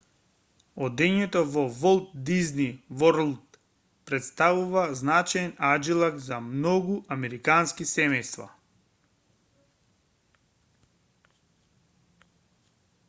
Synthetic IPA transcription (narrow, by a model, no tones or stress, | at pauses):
ɔd̪ɛɲɛt̪ɔvɔvɔlˠt̪̚d̪iznivɔɾlˠt̪ | pɾɛt̪st̪avuvaznat͡ʃajɛnad͡ʒilˠakzamnɔɡuʔamɛɾikanskisɛmɛjst̪va̰